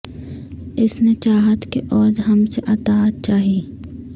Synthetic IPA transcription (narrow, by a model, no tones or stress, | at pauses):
ɪsnet͡ʃaːɦət̪keʔɔːd͡ʒɦɐmseʔɐt̪aːt̪̚t͡ʃaːɦiː